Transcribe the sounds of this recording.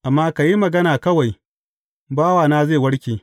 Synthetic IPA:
ʔa˨mːaː˦ka˨ji˦mɐ˨ɡɐ˦naː˨kɐ˦wa˨j | baː˦waː˨naː˦zeː˦˨wɐ˦ɽkʲeː˨

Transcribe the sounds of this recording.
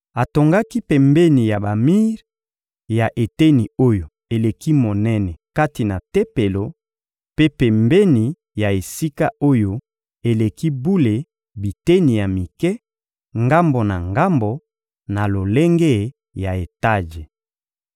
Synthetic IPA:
a˨to˨ŋɡa˦ki˦pɛ˨mbe˦ni˨ja˨ba˨mi˦ʁ | ja˨ʔe˨te˦ni˨o˦jo˨ | e˨le˨ki˦mo˨nɛ˦nɛ˨ka˦ti˨na˨te˦pe˨lo˨ | pe˦pɛ˨mbe˦ni˨ | ja˨e˨si˦ka˦o˦jo˦ | e˨le˨ki˦bu˦le˨ | bi˨te˦ni˨ja˨mi˨kɛ˦ | ŋɡa˦mbo˨na˨ŋɡa˦mbo˨ | na˨lo˨le˦ŋɡe˦˨ | ja˨e˨ta˦ʒe˨

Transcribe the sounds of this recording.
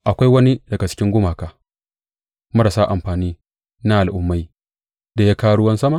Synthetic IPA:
ʔa˨kʷa˦jwɐ˦ni˦dɐ˨ɡa˨t͡ʃɪ̥˦kʲɪ˦ŋɡʷʊ˦maː˨kaː˨ | mɐ˦ɽa˨saː˦ʔa̰˨mɸaː˨niː˦ | na˦ʔa˨lʔʊ˦mːa˦j | da˨ja˦kaː˦ɽʊ˦wɐ˦nsɐ˦ma˨

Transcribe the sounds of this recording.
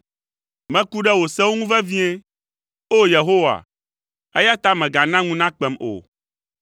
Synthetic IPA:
mɛ̃˦ku˦ɖɛ˦wo˨sɛ˦wo˦ŋũ˦vɛ˦vĩ˦ɛ˦ | o˦je˨ɦo˦wa̰˨ | ɛ˦ja˦t̪a˦mɛ̃˨ɡa˨nã˦ŋũ˦nã˦k͡pɛ˨mo̰˨

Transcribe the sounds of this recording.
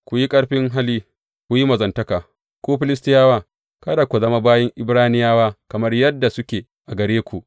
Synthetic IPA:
kʷu˨ji˦kʼɐ˦ɽɸɪ˦ŋɦa˦liː˦ | kʷu˨ji˦mɐ˨zɐ˨ntɐ˦kaː˨ | kʷoː˦ɸɪ˦lɪ˦s̬tɪ˦jaː˦waː˦ | kɐ˦da˨kʷu˨zɐ˦ma˦baː˦jɐ˦ŋʔɪ˦bɾaː˦nɪ˦jaː˦waː˦kɐ˨mɐ˦rjɐ˦dːa˨sʊ˦kʲeː˨ | ʔa˨ɡɐ˨ɾeː˦kʷu˨ʔ

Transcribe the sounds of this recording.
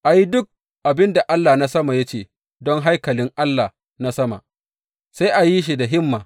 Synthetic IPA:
ʔa˨ji˦dʊ˦k̚ | ʔa˨bɪ˦nda˨ʔa˦lːaː˨na˦sɐ˦ma˨ja˦t͡ʃeː˦ | dɔ˦ŋɦa˦jkɐ˨lɪ˦ŋʔa˦lːa˨ | na˦sɐ˦ma̰˨ | sa˦jʔa˨ji˦ʃ̬i˨da˨ɦɪ˦mːaː˨

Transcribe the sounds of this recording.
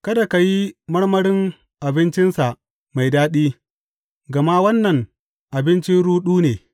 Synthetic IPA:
kɐ˦da˨ka˨ji˦mɐ˦ɽmɐ˦ɽɪ˦ŋ | ʔa˨bɪ˦nt͡ʃɪ˦nsa˨ʔ | ma˨jdaː˦ɗiː˦ | ɡɐ˨ma˦wɐ˦nːɐ˨ŋ | ʔa˨bɪ˦nt͡ʃɪ˦nɽuː˦ɗuː˦neː˨

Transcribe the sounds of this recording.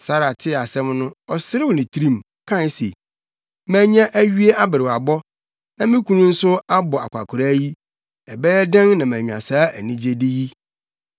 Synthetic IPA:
sa˦ɾa˨tʰɪ˦˨a˨sɛ̃˦mnʊ̃˦ɔ˨sɪ˦ɾɪ˦wɔ˨nɪ̃˨tʰi˦ɾĩ˦˨m | kʰã˦n˦sḛ˨ | mæ̃˦ɲã˦ʔæ˦ɥi˦e˦a˦bɪ˨ɾɪ˨a˨bɔ˦ | nã˨mɪ̃˦kʰũ˦nʊ̃˦n̩˦sʊ˦a˦bɔ˨a̰˨kʷʰa̰˨kʰʊ˨ɾa˦ji˦ | ɛ˨bɛ˦jɛ˦dɛ̃˦nnã˨mæ̃˨ɲ˨ã̰˨saː˨˦æ˨nĩ˦d͡ʑe˦dɪ˦ji˦

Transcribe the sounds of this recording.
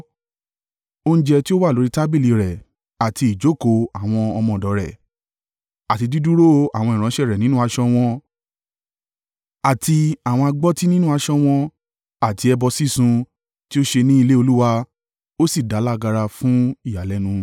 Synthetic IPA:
o˦ñ̩˦d͡ʒɛ˧ti˦o˦wa˦˨o˨˦ɾi˦ta˦bi˦˨li˨ɾɛ˨ | a˨ti˧˨d͡ʒo˨˦˨ko˨˧a˨w̃ɔ̃˧ɔ˧mɔ̃˨dɔ˨˦ɾɛ˨ | a˨ti˧di˦du˦ɾo˦˧a̰˨w̃ɔ̃˧i˨ɾ̃ã˨˦ʃɛ˦˨ɾɛ˨nĩ˦nũ˦a˧ʃɔ˧w̃ɔ̃˧ | a˨ti˧a˦˨w̃ɔ̃˧a˧ɡ͡bɔ˦ti˦nĩ˦nũ˦a˧ʃɔ˧w̃ɔ̃˧ | a˨ti˨˧ɛ˧bɔ˧si˦˨sũ˧ | ti˦o˦ʃe˧nĩ˦i˧le˦o˧lu˦wa˧ | o˦si˦˨da˨˦la˦ɡa˧ɾa˧fũ˦i˦˨ja˨lɛ˨˦nũ˧

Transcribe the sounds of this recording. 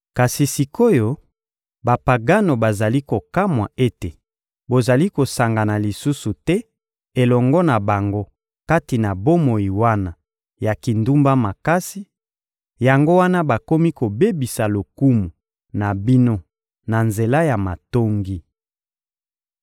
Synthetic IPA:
ka˨si˨si˨ko˦jo˦ | ba˨pa˨ɡa˦no˨ba˨za˨li˦ko˨ka˦mwa˨ʔe˦te˨ | bo˨za˨li˦ko˨sa˨ŋɡa˨na˨li˨su˦su˨tɛ˦ | e˨lɔ˨ŋɡɔ˦na˨ba˨ŋɡo˦ | ka˦ti˨na˨bo˦mo˨ji˨wa˦na˨ | ja˨ki˨ndu˦mba˦ma˨ka˦si˦ | ja˨ŋɡo˦wa˦na˦ba˨ko˦mi˦ko˨be˦bi˨sa˨lo˨ku˦mu˨ | na˨bi˦no˦ | na˨nze˨la˦ja˨ma˨to˦ŋɡi˦

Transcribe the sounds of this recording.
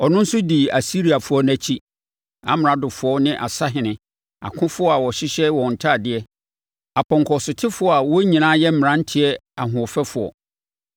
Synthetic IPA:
ɔ˨nʊ̃˦n̩˦sʊ˦di˨a̰˨si˦ɾi˨a˨fʊ˨˦ɔ˦næ̃˦t͡ɕʰi˦ | a̰˨m˨ɾã˦dʊ˨fʊ˨˦ɔ˦nɪ̃˦ʔa̰˨sa˦ɦɪ̃˨nɪ̃˨ | a̰˨kʰʊ̃˦fʊ˦ɔ˦a˨wɔ˨ɕɪ˦ɕɛ˦wɔ̃˨n̩˨tʰaː˦˨dɪ˦ɛ˦ | a˨pʰɔ̃˨ŋkʰɔ˨sʊ˨tʰɪ˦fʊ˦ɔ˦a˨wɔ˦ɲĩ˨nãː˦jɛ˦m̩˦m˨ã˦n̩˦tʰɪ˨ɛ˦a˨ɦʊ̃˨ɔ˨fɛ˦fʊ˨ɔ̰˨

